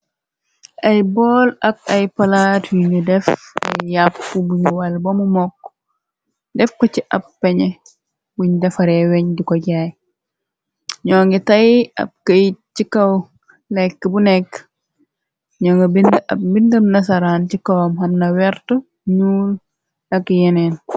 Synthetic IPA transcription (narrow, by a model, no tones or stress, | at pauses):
ʔɐjbɔːlɐk̚ɐjpɐlatwiɲudɛfɐ̰jːapːubuɲuwalbɔmumɔkː | dɛfkɔt͡ʃiʔɐpːɛɲɛ | wiɲdɛfɐɾɛwɛɲdikɔɟaj | ɲɔːŋɡɛtɐjɐ̰b̚kəjt͡ʃikɐw | lɛkːəbunɛkː | ɲɔŋɡɐbindɐ̰bindɐmnɐs̬aɾaːnt͡ʃikɐwɐmɦɐmnɐwɛɾtu | ɲuːl | nɐkjɛnɛn